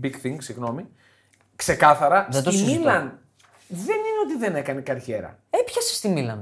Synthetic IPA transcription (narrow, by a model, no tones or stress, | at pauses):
biɡθiŋɡsiɣno̞mi | kse̞kɐθɐɾɐðed̪oimilɐn | ðe̞nineo̞t̪iðe̞ne̞kɐne̞kɐɾçe̞ɾɐ̰epçɐse̥st̪imilɐn